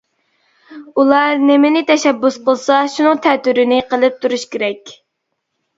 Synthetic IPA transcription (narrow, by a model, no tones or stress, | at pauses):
ulˠɑɾnɪmɪnɪt̪ʰɛʃɛbːusqəlˠsɑʃunɨŋt̪ʰɛt̪yɾɪnɪqʰəlˠɨp̚t̪ʰuɾuʃkʲeɾɛkʲ